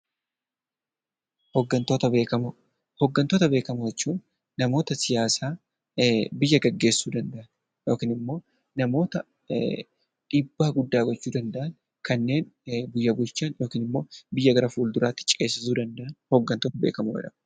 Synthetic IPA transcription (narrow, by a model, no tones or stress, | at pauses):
hɔɡːɐnt̪oːt̪ɐbeːkɐm | hɔɡːɐnt̪oːt̪ɐbe̞ːkɐmʊjɛt͡ʃːuːn | nɐmo̞ːt̪ɐsɪjaːsaː | bɪjːɐɡɐɡːe̞ːsːuːd̪ɐnd̪ɐʔɐn | joːkiːnɪmːo̞ː | nɐmo̞ːt̪ɐ | ᶑɪbːaːɡʊd̪ːaːɡɔt͡ʃːuːd̪ɐnd̪ɐʔɐn | kɐnːe̞ːnbʊjːɐbʊlt͡ʃːaːnjo̞ːkiːnɪmːo̞ːbɪjːɐɡɐɾɐfuːld̪ʊɾaːt̪ːɪ̥t͡ʃʼe̞ːsːɪsuːd̪ɐnd̪ɐʔɐnhɔɡːɐnt̪oːt̪ɐbḛːkɐmʊɛ̰ᶑɐ